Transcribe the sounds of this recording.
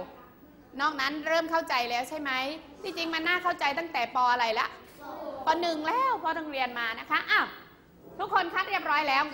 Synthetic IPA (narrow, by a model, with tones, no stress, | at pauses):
nɔː˥˩k̚na˦˥nɾɤː˥˩mkʰa˥˩wt͡ɕa˧jlɛː˦˥wt͡ɕʰa˥˩jma˦˥jt̪ʰiː˧˩t͡ɕi˧ŋma˧nːaː˥˩kʰa˥˩wt͡ɕa˧jt̪a˥˩ŋt̪ɛː˨˩pɔː˧ʔa˧ɾa˧jla̰˦˥ʔ | pɔː˧˩nɯ˨˩ŋlɛː˦˥˩wpʰɔː˧t̪ʰa˧ŋɾi˧ənmaː˧na˦˥kʰa˦˥ʔa˧˩w | t̪ʰu˦˥kʰːo˧nkʰaː˦˥˩t̪̚ɾi˥˩əp̚ɾɔː˦˥jlɛː˦˥w